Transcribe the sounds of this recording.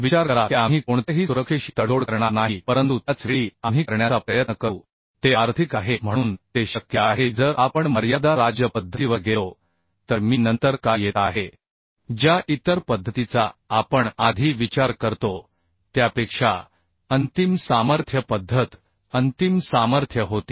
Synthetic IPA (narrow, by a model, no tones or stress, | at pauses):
ʋit͡ɕaɾəɾaiamɦiːkoɳt̪eɦiːsuɾəkʂeɕi̥t̪əɽoɽkəɾɳ̃anaɦipəɾənt̪ut̪jat͡sʋeɭiːamɦiːkəɾɳjat͡sapɾəjət̪nəkə | t̪eaɾt̪ʰikaɦem̤ə̃uːnt̪eɕəkjəaɦed͡zəɾʔapəɳməɾjad̪aɾad͡ʑjəpəd̪ʱːət̪iʋəɾɡelo | t̪əɾmiːnənt̪əɾkajjet̪aɦe | d͡ʑjaʔit̪əɾpəd̪ʱːət̪it͡saːpəɳad̪ʱiːʋit͡ɕaɾkəɾt̪o | t̪japekʂa | ənt̪imsaməɾt̪ʰjəpəd̪ʱːət̪ | ənt̪imsaməɾt̪ʰjəɦot̪i̥ː